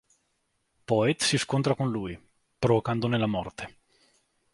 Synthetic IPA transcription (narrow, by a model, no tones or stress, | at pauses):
pɔet̪siskont̪ɾakonluːj | pɾovokand̪onelamɔrt̪ʰe̥